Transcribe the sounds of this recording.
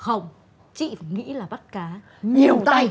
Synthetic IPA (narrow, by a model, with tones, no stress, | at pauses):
xə˧˩wŋ͡m | t͡ɕḭ˧˨ŋḭ˧˥laː˨˩ɓa˦˥t̚kaː˨˦ | ɲi˨˩əwt̪a˧j